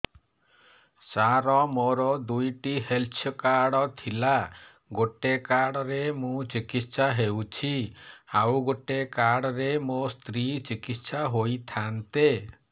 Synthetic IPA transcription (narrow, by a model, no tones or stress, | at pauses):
saɾɔmoɾɔd̪ujʈiɦelt͡ʃʰɔkaɽɔt̪ʰila | ɡoʈekaɽɔɾemũt͡ʃikit̪saɦewt͡ʃʰiawɡoʈekaɽɔɾemost̪ɾit͡ʃikit̪saɦojt̪ʰant̪e